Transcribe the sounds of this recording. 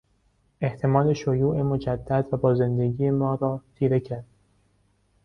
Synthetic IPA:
e̞ht̪ʰe̞mɒːle̞ʃojuːʔe̞mo̞d͡ʒæd̪̥ːæd̪væbɒːze̞nd̪e̞ɡiːjemɒːɾɒːt̪ʰiːɾe̞cʰæɾd̪̥̚

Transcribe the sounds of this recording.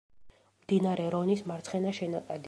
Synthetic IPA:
md̪inaɾɛɾɔnismaɾt̪sʰχɛnaʃɛnat̪ʼad̪

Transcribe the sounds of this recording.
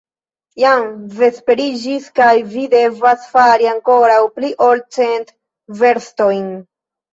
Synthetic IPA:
jamve̞spe̞ɾid͡ʒiskajvide̞vasfaɾiaŋko̞ɾawpliʔo̞lt͡se̞nt | ve̞ɾsto̞jn

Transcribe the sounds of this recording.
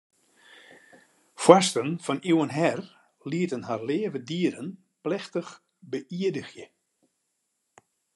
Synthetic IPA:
fwastənfɔniwənɦɛr | liətənɦarleːvədiəɾən | plɛxtəx | bəʔiədəxjə

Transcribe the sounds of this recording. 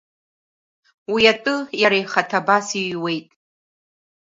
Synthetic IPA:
wiatʼɨjaɾajχatʰabasiwe̞jtʼ

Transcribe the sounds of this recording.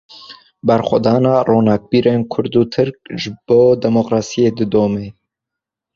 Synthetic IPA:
bɛɾxʷa̰d̪ɑːnɑːroːnɑːk̚biːɾʔeːnkʰʊɾd̪uːt̪ʰɨɾk̚ʒɨb̥oːd̪ɛmoqɾɑːsijeːd̪ɨd̪oːmeː

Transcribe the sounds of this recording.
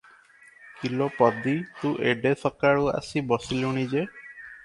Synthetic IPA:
kilɔpɔd̪it̪uʔeɖesɔkaɹua̰sibɔsilunid͡ʒe

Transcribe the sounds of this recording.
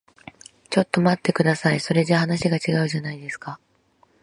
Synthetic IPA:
t͡ɕo̞t̪ːo̞mat̪ːe̞kɯ̟d̪asaiso̞ɾe̞ʑahanaɕiɡat͡ɕiɡaɯ̟ʑanaid̪e̞sɨ̥ka

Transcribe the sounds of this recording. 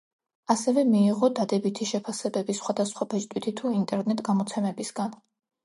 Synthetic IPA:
asɛvɛmiːʁɔd̪ad̪ɛbit̪ʰiʃɛpʰasɛbɛbisχwad̪asχwabɛt͡ʃʼt̪ʼwit̪ʰit̪ʰuint̪ʼɛɾnɛt̪ʼɡamɔt̪sʰɛmɛbisɡ̥an

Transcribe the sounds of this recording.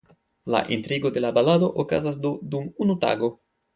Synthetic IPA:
la̰ʔintɾiɡo̞de̞labalado̞ʔoka̰zasdodumunuta̰ɡo̞

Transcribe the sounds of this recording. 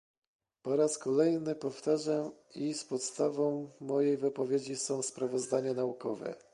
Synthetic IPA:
pɔɾaskɔlɛjnɘpɔft̪aʐamispɔt̪st̪avɔ̃w̃ːɔjejvɘpɔvʲjed͡ʑisɔ̃w̃spɾavɔzd̪aɲanaukɔvɛ̰

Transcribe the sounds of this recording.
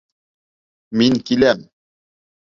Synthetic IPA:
minkilæm

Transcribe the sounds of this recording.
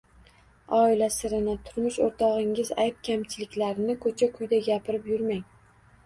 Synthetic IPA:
ɒɪlasɪɾɪnɪt̪ʰʊɾmʊʃoɾt̪ʰɒʁɪŋɪzajp̚kʲʰamt͡ʃʰɪlɪkʲlaɾɪnɪkʰɵt͡ʃʰakʰʊjd̪aɡʲapʰɪɾɪpjʊɾmaŋ

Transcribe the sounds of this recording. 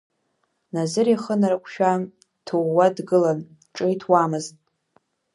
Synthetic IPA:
nazɨɾiχənaɾakʷʰʼʃᶣa | tʰoːadɡɨlan | ʈ͡ʂʼɨjtʰwamɨztʼ

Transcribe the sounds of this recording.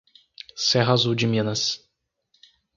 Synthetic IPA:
sɛɦazuwd͡ʒɪmĩnɐs

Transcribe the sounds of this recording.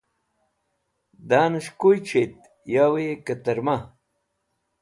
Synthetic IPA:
d̪aːnɐɕkujt͡ɕʰet̪̚ | jaːwejekɐt̪ɐɾma

